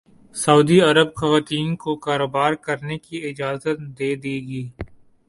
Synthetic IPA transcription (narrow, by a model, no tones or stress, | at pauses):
sɐuːd̪iɐɾəbxɐʋaːt̪iːnkokaːɾoːbaːɾkɐɾnekiɪd͡ʒaːzət̪̚d̪eːd̪iːɡiː